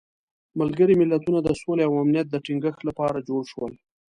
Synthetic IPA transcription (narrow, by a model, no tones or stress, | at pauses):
malɡəɾimɪlːat̪unad̪əsoleawamnijat̪̚d̪əʈiŋɡəxt̪lapɑɾad͡ʒoɽʃwə̰l